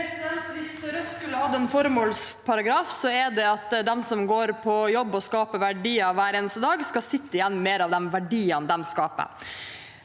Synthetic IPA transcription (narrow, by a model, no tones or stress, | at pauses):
ʋɪsɾɛst̪skʉlːəhɑd̪ːəɛnfɔɾmoːlspʰɑɾɑɡɾɑːfsɔɛɖɛɑt̪d̪ɛmsɔmɡoːɾpʰɔjɔbːɔskɑːpəɾʋæɖiːɑʋʋæːɾeːnəst̪əd̪ɑːɡskɑsɪt̪ːəɪjɛnːmeːɾɑʋd̪ɛmʋæɖiːɑnd̪ɛmskɑːpə̰ɾ